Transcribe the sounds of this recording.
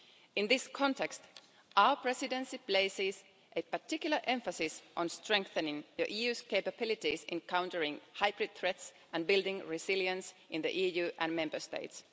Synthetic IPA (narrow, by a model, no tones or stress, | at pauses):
ɪ̃nðɪskʰɔ̃ntɛkst | ʔaʊə˞pʰɹɛsɪdɛ̃nsipleɪsɪs | ʔepətɪkjʊlˠəʔɛ̃ɱfəsɪsʔə̃nstɹ̥ɛ̃ŋkθənɪ̃ŋðəʔiːjʉskeɪpəbɪlɪtɪsɛ̰̃nkʰãʊ̃ntəɹɪ̃ŋhaɪbɹɪd̪̚θɹɛts | ʔæ̃nbɪlˠdɪ̃ŋɹɪsɪljə̃nsʔɪ̃nðə̰ʔiːjʉːʔæ̃nmɛ̃mbə˞stḛɪts